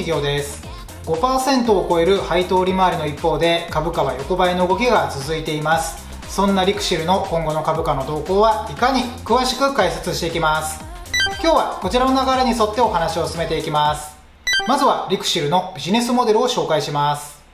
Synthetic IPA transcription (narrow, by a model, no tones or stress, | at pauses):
iɡʲo̞ːd̪e̞sɨ̥ | ɡ̥o̞paːsẽ̞nt̪o̞ːko̞e̞ɾɯ̟hait̪o̞ːɾʲimaːɾʲino̞ipːo̞ːd̪e̞kabɯ̟kaβajo̞ko̞baino̞ɯ̟ɡo̞kʲiɡat͡sɨzɨit̪e̞imasɨ̥ | sõ̞nːaɾʲikɯ̟̥ɕiɾɯ̟no̞kõ̞ŋɡo̞no̞kabɯ̟kano̞d̪o̞ːko̞ːβaikaɲ̟ikɯ̟βaɕi̥kɯ̟kaiset͡sɨɕi̥t̪e̞ikʲimasɨ̥ | kʲo̞ːβako̞t͡ɕiɾano̞naɡaɾeɲ̟iso̞t̪ːe̞o̞hanaɕio̞sɨ̥sɨme̞t̪e̞ikʲimasɨ̥ | mazɨβaɾʲikɯ̟̥ɕiɾɯ̟no̞bʲiʑine̞sɨmo̞d̪e̞ɾɯ̟o̞ɕo̞ːkaiɕimasɨ̥